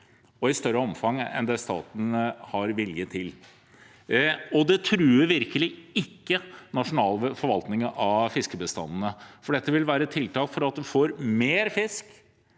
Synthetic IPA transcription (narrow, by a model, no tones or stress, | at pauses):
ɔɪst̪œɾːəɔmfɑŋɛ̰nd̪ɛst̪ɑ̰ːt̪n̩hɑɾʋɪljət̪ʰɪl | ɔd̪ɛt̪ʰɾʉːɾʋɪɾkəlɪɪkːənɑʂʊnɑːlfɔɾʋɑlt̪nɪŋəʔɑfɪskəbəst̪ɑ̰nːənəfɔɖɛt̪ːəʋɪlʋæːɾət̪ʰɪlt̪ʰɑːlkfɔɾɑt̪̚d̪ɛfoːɾmeːɾfɪsk